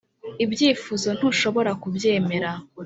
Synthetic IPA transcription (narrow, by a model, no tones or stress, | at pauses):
ibjiːfuzo̞n̥uʃo̞βo̞ɾakubje̞ːme̞ɾa